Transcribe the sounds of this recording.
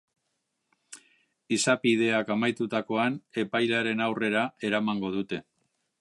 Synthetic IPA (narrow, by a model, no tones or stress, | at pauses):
isapið̞e̞akamajt̪ut̪ako̞ane̞pajlaɾe̞nawre̞ɾae̞ɾamaŋɡo̞ð̞ut̪e̞